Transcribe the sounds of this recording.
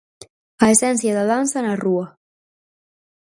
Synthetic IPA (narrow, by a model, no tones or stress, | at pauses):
aesɛnθjaðaðansanarua